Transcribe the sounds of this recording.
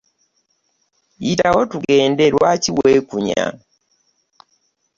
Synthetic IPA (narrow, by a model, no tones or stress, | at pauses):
itawotuɡe̞ːndeɾwaciwekuɲa̰